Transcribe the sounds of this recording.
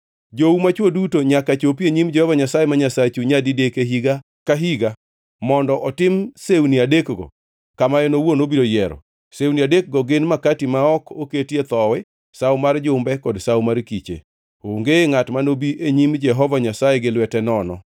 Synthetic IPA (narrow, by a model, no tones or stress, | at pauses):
d͡ʒoumat͡ʃwodutoɲakat͡ʃopjeɲimd͡ʒɛhɔvaɲasajemaɲasat͡ʃuɲadidekeɦiɡa | kaɦiɡa | mɔndɔʔɔtɪmsewniadekɡɔ̰ | kamajɛnowonobiɾojɛɾɔ̰ | sewniadek̚ɡɔɡɪnmakatimaɔkoketjet̪ɔwɛ | sawmard͡ʒʊmbɛkɔdsawmaɾkit͡ʃḛ | oŋɡeŋatmanobiʔeɲimd͡ʒɛɦɔvaɲasajeɡɪlwɛtɛnɔnɔ̰